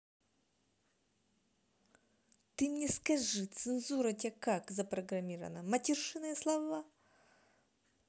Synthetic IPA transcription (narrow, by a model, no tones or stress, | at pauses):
t̪ɨmnʲɛskɐʐɨt̪sɨnzuɾɐtʲakakzɐpɾɐɡɾɐmʲiɾəvɐ̰nɐmɐtʲirʂɨnɐjɐslˠavva